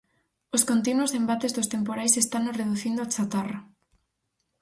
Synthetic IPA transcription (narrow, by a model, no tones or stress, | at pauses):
oskont̪inwosembat̪ezðost̪empoɾajsest̪anoreðuθind̪oat͡ʃat̪ara